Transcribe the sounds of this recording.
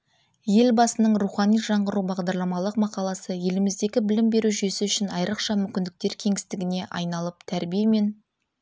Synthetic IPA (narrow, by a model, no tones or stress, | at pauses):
je̞lbɑsənəɴruχɑnijʒɑɴʁəɾubɑʁd̪ɑɾlˠɑmɑlˠəqmɑqɑlˠɑsəje̞lɪmɪzd̪e̞ɡʲɪbɪlɪmbe̞ɾuʒesɪʏʃɪnɑjɾəqʃɑmʏmkʲɪnd̪ɪk̚t̪e̞ɾkʲʰe̞ŋɪst̪ɪɡʲɪne̞ʔɑ̰jnɑlˠəp̚t̪ʰæɾbijeme̞n